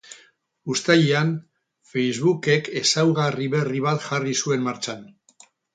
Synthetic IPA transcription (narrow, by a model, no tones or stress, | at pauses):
ust̪aʎean | fe̞jzβuke̞ke̞sawɣariβe̞riβ̞at̪ʝarisue̞nmaɾt͡ʃan